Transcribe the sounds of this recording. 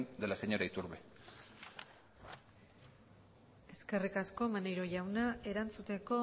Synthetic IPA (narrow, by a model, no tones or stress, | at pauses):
nd̪elaseɲoɾait̪uɾβe | e̞ske̞rikasko̞manejɾo̞ʝawnae̞ɾant͡sut̪e̞ko̞